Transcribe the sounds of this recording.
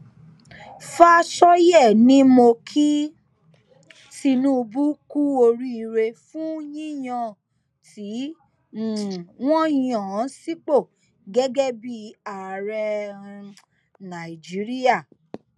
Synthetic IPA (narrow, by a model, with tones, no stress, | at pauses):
fa˦ʃɔ˦jɛ˦˨nĩ˦mo˧kʰi˦ | ti˧nũ˦˧bu˦ku˦o˧ɾi˧˦i˧ɾe˧fũ˦jĩ˦j̃ɔ̃˧ | ti˨˦˨ | w̃ɔ̃˦ĩ˦ɔ̃˨˦si˦k͡po˦˨ | ɡɛ˦ɡɛ˦bi˦a˨ɾɛ˧ | nã˨i˨d͡ʒi˨˦ɾi˦a˦˨